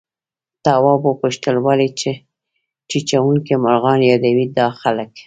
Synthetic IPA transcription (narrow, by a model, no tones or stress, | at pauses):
t̪awɑbopuʃt̪əlwalit͡ʃe | t͡ʃit͡ʃawuŋkemaɾɣɑnjɑd̪awid̪ɑxalək